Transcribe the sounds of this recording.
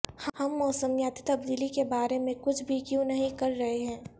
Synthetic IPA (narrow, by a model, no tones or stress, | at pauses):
hhɐmːɔːsəmjaːt̪i̥t̪ɐb̚d̪iːlikebaːɾemẽkʊt͡ʃʰbʱikjõnɐɦĩkɐɾːɐɦeɦɛ̃ː